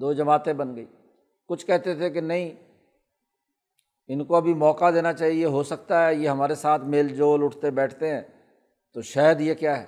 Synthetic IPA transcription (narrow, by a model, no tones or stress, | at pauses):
d̪oːd͡ʒɐmaːt̪ẽbɐnɡəḭː | kʊt͡ʃʰkɛɦt̪et̪ʰek̬enɐɦĩ | ɪnkoɐbʱimɔːkad̪eːnat͡ʃaːɦieɦosɐk̚t̪aɦɛːjeɦɐmaːɾesaːt̪ʰmeːld͡ʒoːlʊʈʰt̪ebɛːʈʰt̪eɦɛ̃ː | t̪oʃɛɦəd̪jekjaːɦɛː